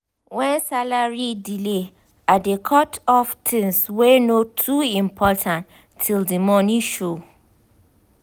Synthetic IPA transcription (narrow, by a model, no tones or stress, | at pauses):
wɛ̃nsalaɹidile | adekʰɔtʰɔftʰĩnswenotʰuĩmpʰɔtʰãn | tʰːildimɔnĩʃo